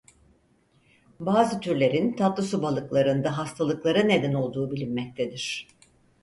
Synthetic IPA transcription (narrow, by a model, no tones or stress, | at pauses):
baːzɯt̪ʰyɾlʲe̞ɾint̪ʰat̪lˠɯsubalˠɯklˠaɾɯnd̪aɦast̪ʰalˠɯklˠaɾane̞d̪æno̞lˠd̪uːbilʲinːɛc̚t̪ʰed̪iɾ̝̥